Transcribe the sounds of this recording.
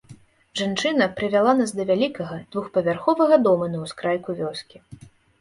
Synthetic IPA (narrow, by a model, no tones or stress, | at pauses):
ʐant͡ʂɨnɐpɾɨvʲalˠanasd̪ɐvʲalʲikɐɣɐd̪vuxpɐvʲarxɔvɐɣɐd̪ɔmɐnɐwskɾajkuvʲɔskʲi